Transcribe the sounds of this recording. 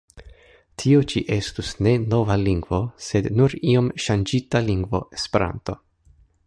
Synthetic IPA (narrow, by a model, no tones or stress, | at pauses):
tʰiot͡ʃiʔe̞stusne̞no̞valiŋɡvo̞se̞dnuɾio̞mʃand͡ʒitaliŋɡvo̞ʔespeɾa̰nto̞